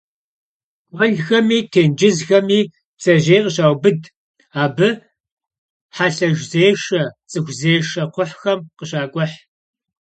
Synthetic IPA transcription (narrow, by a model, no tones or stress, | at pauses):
wʷɐɮxɐmiːtʰeːnd͡ʒɪzxɐmiː | bz̥ɐʒejqəɕaːwbɨd | aːbɨ | ħaɬɐʒzeːʃɐt͡sʼɨxʷzeːʃɐqʷʊħxɐmqəɕaːkʷʼɔħ